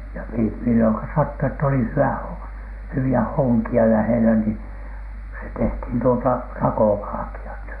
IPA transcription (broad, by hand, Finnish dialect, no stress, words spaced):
jɑ mimilːoŋkɑ sɑtːu etː oli hyæ hywiæ hoŋkiɑ læhelæ ni se tehthiˑn tuotɑ rɑkoʋɑlɑ̆kiɑt